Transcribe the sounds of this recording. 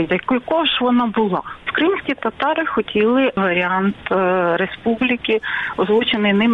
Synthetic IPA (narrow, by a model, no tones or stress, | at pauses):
jɐkjɐkɔɔʒʋɔnɑbʊlˠɑwkɾɪmsʲkʲit̪ɐt̪ɑɾɪxɔtʲilˠɪʋɐɾʲɪɑnt̪ɾespublʲikɪɔzlˠɔt͡ʃenɪjnɪm